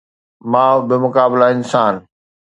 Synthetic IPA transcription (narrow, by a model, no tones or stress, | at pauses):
mãːbɪmʊkaːblaɪnsaːn